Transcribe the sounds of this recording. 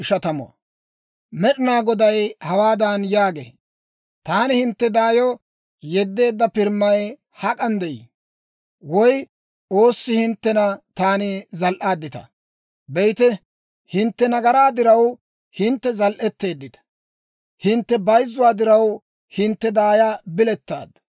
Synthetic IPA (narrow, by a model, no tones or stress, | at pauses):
ɪʃɐt̪ɐmɔ̰ɐ̰ | mɛɗɪnaːɡɔd̪ɐjhɐwaːd̪anjaːɡḛː | t̪aːnɪhɪnt̪ːɛd̪aːjɔ | jɛd̪ːe̞ːd̪ːɐpɪɾmːɐj | hɐkʼɐnd̪ɛʔḭ | wɔj | ʔo̞ːsːɪhɪnt̪ːɛnɐt̪aːnɪzɐlʔaːd̪ːɪt̪ɐ̰ | bɛjt̪ɛ | hɪnt̪ːɛnɐɡɐɾaːd̪ɪɾɐw | hɪnt̪ːɛzɐlʔɛt̪ːe̞ːd̪ːɪt̪ɐ̥ | hɪnt̪ːɛbɐjzːʊwaːd̪ɪɾɐw | hɪnt̪ːɛd̪aːjabɪlɛt̪ːa̰ːd̪